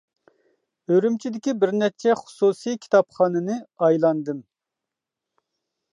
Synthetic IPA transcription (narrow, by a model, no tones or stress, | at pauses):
øɾymt͡ʃʰid̪ɪkʲibɪɾnɛt͡ʃʰɛχʊ̥susijkʲʰi̥t̪ʰɑpχɑːnɨnɨɑjlˠɑnd̪ɨm